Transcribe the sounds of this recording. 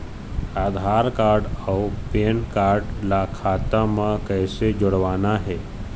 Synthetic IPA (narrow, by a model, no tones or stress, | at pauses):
aːd̪ʱaːɾkaːɾɖawpeːnkaːɾɖlakʰaːt̪amãkəɦsed͡ʒoɽʋaːnaɦɛː